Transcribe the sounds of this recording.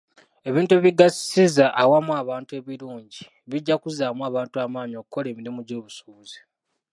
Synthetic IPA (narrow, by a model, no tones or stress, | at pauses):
e̞βiːntueβiɡassizaʔːwamuaβaːntue̞βiɾuːɲɟi | βiɟːakuzaːmuaːβaːntuamaːɲio̞ːkuko̞le̞ːmiɾimuɟo̞ːβusuβuzi̥